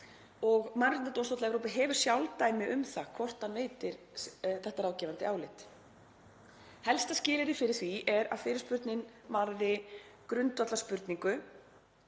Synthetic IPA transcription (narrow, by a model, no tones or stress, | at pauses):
ɔɣmanɾɪnat̪ownst̪owt̪ɛvɾowpɪɦɛːvʏ̥sjawlt̪aːjmɪʔʏmθakʰvɔr̥t̪ameːjt̪ɪɾ̥ | θɛht̪aɾaːwcɛːvant̪ɪaːwlɪt̪ | hɛlst̪ascɪːlɪɾɪfɪɾɪɾ̥θviɛɾa̰ðfɪːɾɪ̥ɾspʏɾt̪nɪn | maɾðɪkɾʏnt̪vat̪aspʏɾt̪niŋkʏ